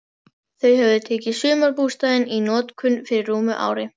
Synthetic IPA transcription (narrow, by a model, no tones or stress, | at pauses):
θœɥhɛvðʏt̪ʰeːcɪsʏːmaɾpuːst̪aðɪninɔːt̪kʰʏnfɪɾɪrːuːmʏʔa̰ːwɾɪ